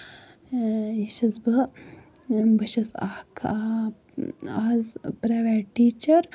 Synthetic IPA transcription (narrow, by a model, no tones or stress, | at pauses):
jiʃɐzbɐ | bɐʃɐsakʰ | aːzpɾaːʋaːʈiːt͡ʃɐɾ